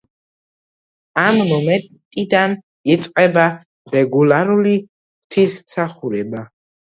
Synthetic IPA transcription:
amnɔmɛ | t̪ʼid̪an | it̪sʼqʼɛba | ɾɛɡulaɾuli | kt̪ʰismsaχuɾɛba

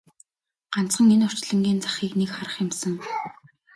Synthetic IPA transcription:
ɢ̥an̥t͡sχə̆ŋenɔr̥t͡ɕɮə̆ŋɡʲiːnt͡sḁχiːknekχaɾə̆χjɪ̆msə̆ŋ

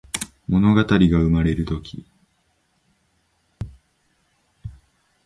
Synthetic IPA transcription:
mo̞no̞ɡat̪aɾʲiɡaɯ̟maɾe̞ɾɯ̟t̪o̞kʲʰi

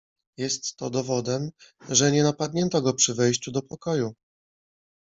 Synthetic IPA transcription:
jɛst̪ːɔ̰d̪ɔvɔd̪ɛmʐɛɲɛnapad̪ɲɛnt̪ɔɡɔpʂɘvɛjɕt͡ɕud̪ɔpɔkɔju

